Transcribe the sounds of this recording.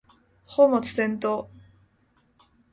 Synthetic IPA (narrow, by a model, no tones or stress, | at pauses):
hoːmot͡sɨ̥sẽ̞nt̪oː